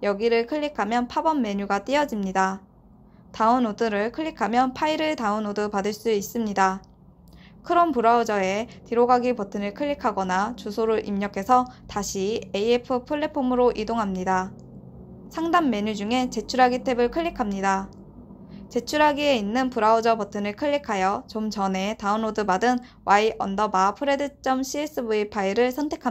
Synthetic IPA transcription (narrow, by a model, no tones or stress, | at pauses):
jʌɡiɾɯɭkʰɯʎːikʰamjʌnpʰabʌnːe̞ɲuɡat͈iʌd͡ʑimɲida | taɯnodɯɾɯɭkʰɯʎːikʰamjʌnpʰaiɾɯɭtaɯnodɯpadɯɭs͈uis͈ɯmɲida | kʰɯɾʌnpuɾaud͡ʑʌe̞tiɾoɡaɡipʌtʰɯnɯɭkʰɯɭːikʰaɡʌnat͡ɕusʰoɾɯɾʔimɲʌkʰe̞sʰʌtaɕʰieiepʰɯpʰɯɭːe̞pʰomɯɾoʔidoŋɦamɲida | sʰaŋdamːe̞ɲud͡ʑuŋe̞t͡ɕe̞t͡ɕʰuɾɦaɡitʰe̞bɯɭkʰɯʎːikʰamɲida | t͡ɕe̞t͡ɕʰuɾɦaɡie̞inːɯnpuɾaod͡ʑʌpʌtʰɯnɯɭkʰɯʎːikʰajʌt͡ɕomt͡ɕʌne̞taɯnodɯbadɯn | waiʔʌ̰ndʌbapʰɯɾe̞dɯt͡ɕ͈ʌmɕʰies͈ɯbuipʰaiɾɯɭsʰʌntʰe̞kʰa